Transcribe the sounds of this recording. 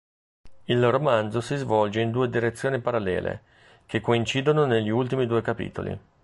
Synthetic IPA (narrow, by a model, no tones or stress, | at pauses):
ilromand̪zosizvɔld͡ʒeind̪uːed̪iɾet̪sːjoːnipaɾalːɛ̰ːlḛ | k̟ekːoint͡ʃiːd̪ononeʎːiult̪imid̪uːekapḭːt̪o̰lḭ